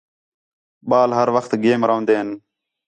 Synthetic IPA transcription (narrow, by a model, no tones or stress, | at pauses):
ɓaːlɦəɾʋəxt̪ɡeːmɾəɦõːnd̪eːɦən